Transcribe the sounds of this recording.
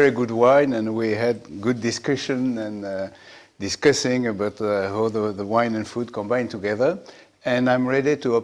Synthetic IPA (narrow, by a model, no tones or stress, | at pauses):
ɹiɡudwãɪ̃nɛ̃nwiɦɨd̚ɡudiskɹɪʃɨ̃nɛ̃n | dɪskʌsɪ̃ŋəbathaðəðəwãj̃nɨ̃nfud̚kʰɔ̃mbãj̃ntuɡɛðə˞ | ɨ̃nãj̃mɹɛɾituɔ